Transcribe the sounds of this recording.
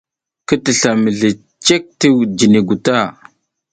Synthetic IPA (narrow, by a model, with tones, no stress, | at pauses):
kə˦tə˨ɬa˨mə˨ɮe˨ | t͡ʃe˦k̚tə˦wd͡ʒi˨ni˨ɡu˨ta˦˨